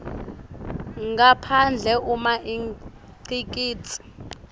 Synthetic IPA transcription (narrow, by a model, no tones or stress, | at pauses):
ŋɡapʰand͡ɮʱɛʔumaʔi | ǀikʼiːt͡sʰʼi̥